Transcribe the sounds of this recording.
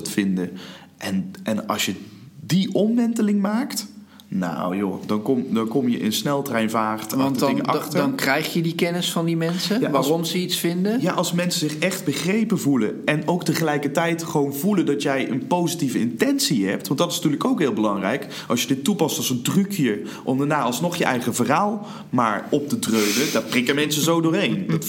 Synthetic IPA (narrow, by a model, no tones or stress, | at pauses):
tfɪndəʔɛnɛnɑ̰lˠsjədiʔɔmʋɛntəlɪŋmaːkt | na̰wjo̰dɑnkɔmdɑnkɔmjə̰ʔɪ̰nsnɛlˠtrɛjnvaːrtɑəɪŋəʔɑχnkrɛjχjədikɛnəsfɑndimɛnsəjaʋaːrɔmzəitsfɪndəjaʔɑlˠsmɛnsəzɪχɛχd̚bəχrejpəvuləɛnowktəχəlɛjkəɹtɛjtχəʋownvuləndɑtjɛjʔə̰npowzitivəɪntɛnsiɦɛ̰p̚tʋɑntdɑtɪsnɐtyːɹləkowkɦɪːlˠbəlɑŋrɛ̰jk | ɑ̰lˠsjədɪtːupɑstɑlˠzəndrykʰjəɹ | ʔɔmdaɹnaːɑlˠsnɔχjəʔɛjχəvəraːlˠ | maːɹɔp̚tətrøɥnədaːɹprɪkəmɛnsəzowdʊːɹɦejndt